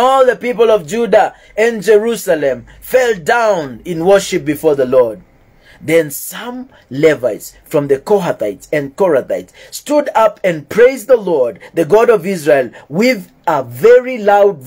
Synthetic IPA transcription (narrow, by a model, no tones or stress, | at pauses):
ɔlˠðəpipəl̩ˠʌvd͡ʒudə | ɨ̃nd͡ʒəɹusəlɨ̃m | fɛlˠdãʊ̃nɪ̃nwɜ˞ʃɨp̚b̥ɨfɔɹðəlɔɹd̪̚ | ðɨ̃nsʌ̃m | lɛvaɪtsfɹʌ̃mðɨkɔɦaθaɪtsɨ̃nkɔɹɨθaɪtstudʌpɨ̃npʰɹ̥eɪzðəlɔɹd̪̚ðɨɡɑɾʌvɪzɹeɪlˠwɪð | əvɛɹilaʊd̚